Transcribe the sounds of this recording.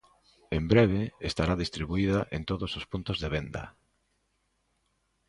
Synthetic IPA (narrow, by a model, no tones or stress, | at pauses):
embɾeβ̞eest̪aɾaðist̪ɾiβuiðɐʔent̪oðosospunt̪ozðeβend̪ɐ̰